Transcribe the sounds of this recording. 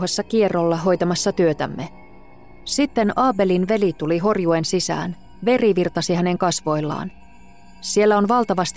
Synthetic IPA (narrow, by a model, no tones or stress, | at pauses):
hesːɑkie̞rːolːɑɦo̞jt̪ɑmɑsːɑt̪yøt̪æ̰mːe | sit̪ːe̞nɑːbe̞linʋe̞lit̪uliɦo̞rjue̞nsisæ̰ːn | ʋe̞riʋirt̪ɑsiɦæne̞ŋkɑsʋo̞jlːɑ̰ːn | sie̞lːæo̞nʋɑlt̪ɑʋɑst̪